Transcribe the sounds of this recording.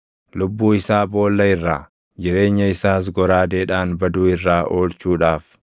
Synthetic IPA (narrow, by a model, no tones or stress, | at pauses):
lʊbːuːɪsaːbo̞ːlːɐɪrːa̰ː | d͡ʒɪɾe̞ːɲːɐɪsaːs̬ɡɔɾaːd̪eːᶑaːnbɐd̪uːɪrːaːʔo̞ːlt͡ʃuːᶑaːf